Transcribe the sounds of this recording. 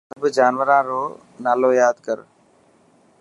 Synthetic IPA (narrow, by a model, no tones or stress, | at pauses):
əbd͡ʒaːnʋəɾãːɾoː | naːloːjaːd̪kəɾ